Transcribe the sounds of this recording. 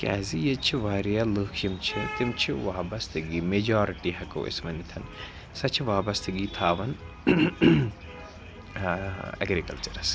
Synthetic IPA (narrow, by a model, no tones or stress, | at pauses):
kʲa̰ːzijɐt͡ʃʰiʋaːɾijalɨːkʰjimt͡ʃʰit̪imt͡ʃʰiʋaːbɐst̪ʰɨɡiːmed͡ʒaːɾiʈiɦɐko̰ːḛsmɐnit̪ʰɐn | sɐt͡ʃʰiʋaːbɐst̪ʰɨɡiːt̪ʰaːʋɐn | ɐ̰ɡɾikɐ̰lt͡ʃɐɾɐs